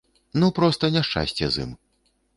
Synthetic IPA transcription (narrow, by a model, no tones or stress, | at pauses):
nupɾɔst̪ɐnʲɛʂt͡ʂa̰sʲt͡sʲjɛ̰zɨ̰m